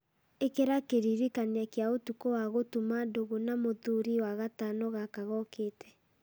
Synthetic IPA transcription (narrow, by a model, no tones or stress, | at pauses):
ekeɾakeɾiɾikaneakjaotukowaɣotumadoɣonamoðuɾiwaɣatanɔɣakaɣɔkeːtɛ̥